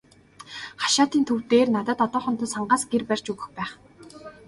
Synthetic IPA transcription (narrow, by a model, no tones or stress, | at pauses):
χḁʃaːt̪iːnt̪ʰɵw̥t̪eːrnat̪ə̆t̪ɔt̪ɔːχə̆m̥t̪ə̆saɴɢaːsɡerpær̥ʲt͡ɕɵɣɘ̆xpæːχ